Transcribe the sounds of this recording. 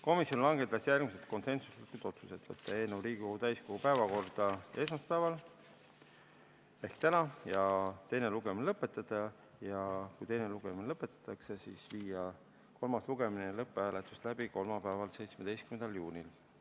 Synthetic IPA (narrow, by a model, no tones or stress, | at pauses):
ko̞misjonlɑŋɡ̥e̞d̪ɑsjærɡ̥miset̪ko̞nse̞nsuslet̪k̪ːut̪o̞t̪su̥se̞t̪ːˑvɤt̪ːˑɑe̞ːnewɾiːɡ̥iko̞ɡ̥ut̪æjsko̞ɡ̥upæevɑko̞rd̪̥ɑe̞s̬mɑst̪̚pævɑl | e̞hkt̪ænɑjɑt̪e̞jne̞luɡ̥eminelɤpːˑe̞t̪ːˑɑd̪̥ɑ | jɑkujt̪e̞jneluɡ̥eminelɤpːˑe̞t̪ːˑɑ̥t̪ːˑɑkse̞sisviːjɑ | ko̞lmɑsluɡ̥e̞minelɤpːˑeæːlet̪ːˑust̪læb̥iko̞lmɑpæːvɑlse̞jt̪smed̪e̞jskymend̪ɑljuːnʲil